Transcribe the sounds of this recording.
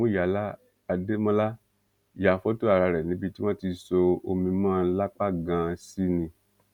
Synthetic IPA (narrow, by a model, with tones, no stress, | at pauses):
mõ˦ja˨˦la˦ | a˧de˦mɔ̃˦la˦ | ja˨fɔ˦to˦a˨ɾa˧ɾɛ˨nĩ˨˦bi˧ti˦wã˦ti˧so˧o˧mĩ˧mãː˦˧˦la˦k͡pa˦ɡã˧si˦nĩ˧